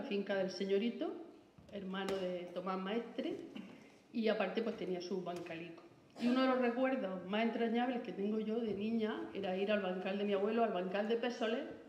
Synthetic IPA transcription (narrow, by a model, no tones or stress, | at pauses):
fiŋkaðe̞lseɲo̞ɾit̪o | eɾmãnoðet̪o̞maɦmaeht̪ɾe | iapaɾt̪e̞pwe̞st̪eniasuβaŋkaliko̥ | iunoðelo̞rekwe̞ɾðo̞mase̞nt̪ɾaɲaβlehket̪eŋɡoʝo̞ðe̞nĩɲaḛɾaiɾalβaŋkald̪e̞miaβwe̞loalβaŋkald̪epesole